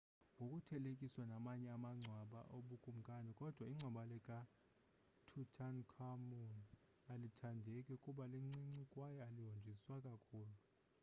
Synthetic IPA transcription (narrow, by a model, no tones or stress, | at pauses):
ŋʱokʼutʰɛlekʼiswanamaɲɛamaŋ͡ǀʱwaɓa̰ʔoɓukʼum̩kʼanɛkʼɔd̥ʱwaiŋ͡ǀʱɔɓalɛkʼa | tʰutʰankʰamun | alitʰandʱɛkʼɛukʼuɓaliŋ͡ǀiŋ͡ǀikʼwajɛaliwond͡ʒʱiswakʼakʰuːlu